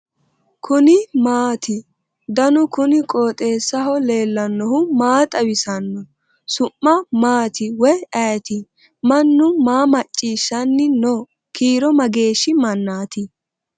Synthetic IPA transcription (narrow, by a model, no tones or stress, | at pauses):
kʰʊnɪmaːt̪ɪ | d̪ɐnʊkʊnɪkʼoːt̪ʼe̞ːsːɐɦɔle̞ːlːɐnːɔhʊmaːt̪ʼɐwɪsɐnːɔ | sʊmːɐmaːt̪ɪwɔjɐt̪ɪ | mɐnːʊmaːmɐt͡ʃʼːiːʃːɐnːɪno | kiːɾɔmɐɡe̞ːʃːɪmɐnːaːt̪ɪ